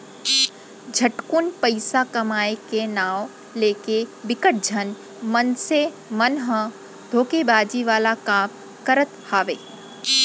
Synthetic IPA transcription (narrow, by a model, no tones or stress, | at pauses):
d͡ʒʱɐʈkunpəɪsakɐmaːekenaːw | leːkebɪkəʈ̚d͡ʒʱən | mənse | mənɦə̃ | d̪ʱoːkebaːd͡ʒiʋaːlakaːm | kəɾət̪haːʋeː